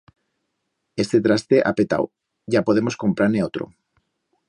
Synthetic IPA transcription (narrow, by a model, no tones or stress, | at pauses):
est̪et̪ɾast̪eʔa̰pet̪a̰w | ɟ͡ʝapo̞ð̞emo̞sko̞mpɾaɾneot̪ɾo̰